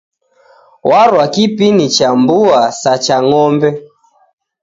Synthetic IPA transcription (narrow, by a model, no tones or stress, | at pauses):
wʔaɾwakipinit͡ʃambuasat͡ʃaŋɔmbɛ